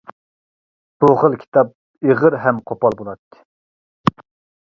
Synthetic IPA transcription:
b̥uχəlˠkʲʰi̥t̪ʰɑp̚ | eʁəɾɦɛmqʰopɑlˠbolˠɑt̪ːɪ̥

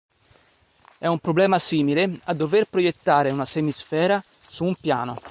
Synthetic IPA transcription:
ɛumpɾoblɛːmasiːmilead̪ːoverpɾojet̪ːaːɾeunasemisfɛːɾa | suːmpja̰ːno

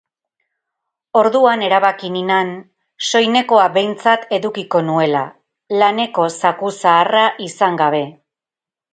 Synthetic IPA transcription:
o̞ɾðuane̞ɾaβakininan | so̞jne̞ko̞aβe̞jnt͡sat̪e̞ðukiko̞nue̞la̰ | lane̞ko̞sakusaːraʔisaŋɡaβ̞e̞

